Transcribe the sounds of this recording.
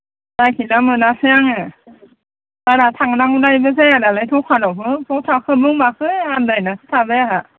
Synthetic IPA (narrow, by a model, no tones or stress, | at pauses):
dakʰinamɯnasɯjaŋe | baɾatʰaŋnaŋunajbɯs̬ejadalajtʰɔŋkʰanɔwpʰɯpʰɔŋtʰakʰɯbɯŋmakʰɯandajnasɯ̥tʰabeaɦa